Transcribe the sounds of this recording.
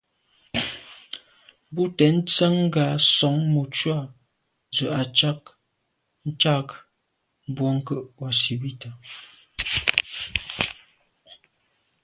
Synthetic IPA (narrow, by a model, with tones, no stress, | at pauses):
bu˦tɛ˨˦n̩˦t͡sa˦ŋ˦ɡa˨˦sɔ˨˦ŋmu˨t͡ʃwa˦˨ | zə˨ʔa˨t͡ʃa˦k̚ | n̩˦t͡ʃa˦k | bwɔ˦ŋ̩˦kə˦˨ʔwa˨si˨bi˦˨ta˨